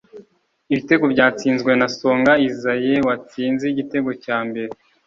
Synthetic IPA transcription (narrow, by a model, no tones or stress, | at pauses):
iβite̞ɡo̞bɟaːt͡siːnzɡwe̞naso̞ːŋɡaizaje̞wat͡siːnziɟite̞ɡo̞caːmbe̞ɾe